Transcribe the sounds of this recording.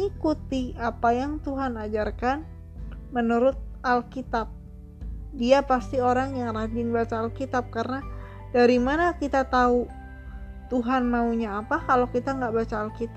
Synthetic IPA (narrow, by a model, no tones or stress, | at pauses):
ŋikut̪iapajaŋt̪uɦanad͡ʒarkan | mənuɾʊt̪̚alkit̪ap̚ | diapast̪ioɾaŋjaŋrabɪnbat͡ʃaːlkit̪ap̚karna | daɾimanakit̪at̪au | t̪uɦanmauɲaːpakalokit̪aŋɡaʔbat͡ʃaːlkit̪a